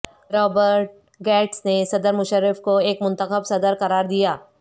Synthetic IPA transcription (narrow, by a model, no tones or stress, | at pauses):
ɾɔːbəɾʈ̚ | ɡɛːʈsnesɐd̪əɾmʊʃəɾɪfkoeːkmʊ̃nt̪əxəbsɐd̪əɾqɐɾaːɾd̪ijaː